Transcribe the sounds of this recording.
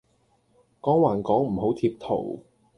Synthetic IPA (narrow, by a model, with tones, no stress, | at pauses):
kɔː˨˥ŋwaː˨˩nkɔː˨˥ŋm̩˨˩ɦo˨˥wt̪ʰiː˧p̚t̪ʰo̰˨˩w